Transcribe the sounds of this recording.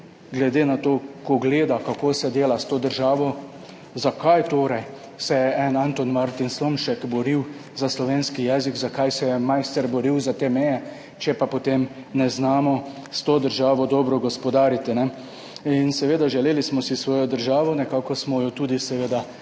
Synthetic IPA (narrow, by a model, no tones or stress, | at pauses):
ɡlɛd̪eːnat̪oːkɔɡleːd̪akakoːsɛd̪eːlast̪oːd̪əɾʒaːʋɔ | zakajt̪oːɾɛj | sɛjɛʔɛnant̪ɔnmaɾt̪inslomʃɛkbɔɾiwzaslɔʋeːnskijɛziɡzakajsɛjɛmajst̪ɛɾbɔɾiwzat̪eːmɛjɛ | t͡ʃɛpapɔt̪eːmnɛznaːmɔ | st̪oːd̪əɾʒaːʋɔd̪ɔːbɾɔɡɔspɔd̪aːɾit̪inɛ | insɛʋeːd̪aʒɛleːlismɔsisʋɔːjɔd̪əɾʒaːʋɔnɛkaːkɔsmɔjɔt̪uːd̪isɛʋeːd̪a